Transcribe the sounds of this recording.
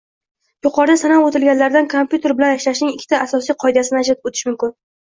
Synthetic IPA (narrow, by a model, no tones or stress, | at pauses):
jʊqʰɒɾd̪asanawot̪ɪlɡʲanlaɾd̪ankʰompʲjut̪ʰe̞ɾbɪlanaʃlaʃnɪŋɪkʲʰːɪ̥t̪ʰaːsɒsijqʰɒjd̪asɪnaʃ̬ɪɾpot̪ʰɪ̥ʃmʊmkʲɪn